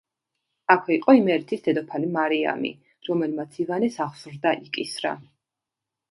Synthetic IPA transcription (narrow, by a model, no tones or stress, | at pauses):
akʰwɛiqʼɔimɛɾt̪ʰisd̪ɛd̪ɔpʰalimaɾia̰mḭ | ɾɔmɛlmat̪sʰivanɛsaʁsɾd̪aʔikʼisɾa̰